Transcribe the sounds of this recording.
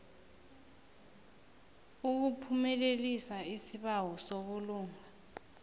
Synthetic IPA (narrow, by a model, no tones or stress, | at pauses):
uk̬upʰumɛlelisaisiɓawɔsoɓuluːŋa